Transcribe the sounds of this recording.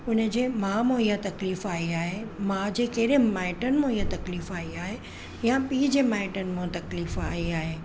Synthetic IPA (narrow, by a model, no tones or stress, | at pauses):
ʊnəd͡ʑeːmãːmõijãt̪ɐkliːfaːiaːɦemãd͡ʑeːkeɾẽmaːɪʈənmõijãt̪ɐkliːfaːiaːɦe | jãpiːd͡ʑeːmaːɪʈənmõt̪ɐkliːfaːiaːɦeː